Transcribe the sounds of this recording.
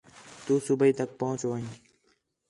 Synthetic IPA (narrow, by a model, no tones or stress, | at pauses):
t̪uːsubəiːt̪ək̚pəɦʊ̃t͡ʃʋəĩː